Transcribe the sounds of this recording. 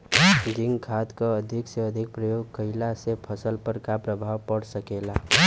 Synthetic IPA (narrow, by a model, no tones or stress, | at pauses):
ɡiŋkʰat̪kəəd̪ʱikseəd̪ʱik̚pɾəjoɡ̚kəɪlasepʰəsəlpəɾkapɾəbʱawpəɽsəkela